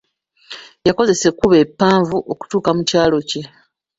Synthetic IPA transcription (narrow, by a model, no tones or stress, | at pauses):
jako̞ze̞se̞kuβe̞pːaːɱvuʔo̞ku̥tuːkamucaːlo̞ce̞